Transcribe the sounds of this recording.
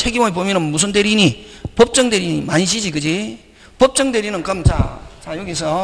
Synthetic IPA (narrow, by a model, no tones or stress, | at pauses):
t͡ɕʰeɡimɯɭpomjʌnɯnmus̬ʰɯnde̞ɾiɲipʌp̚t͡ɕ͈ʌŋdeɾiɲḭmaɲiɕ̬ʰid͡ʑikɯd͡ʑi | pʌp̚t͡ɕ͈ʌŋdeɾinɯnkʌmt͡ɕa̰t͡ɕajoɡis̬ʰʌ